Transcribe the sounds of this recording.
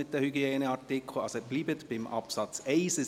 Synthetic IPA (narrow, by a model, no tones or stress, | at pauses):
ɪt̚dəhyɡiɛːnəɑɾtɪkʰl̩ɑsoɛb̥liːbət̪b̥ɪmʔɑ̰psɑt͡sɛsə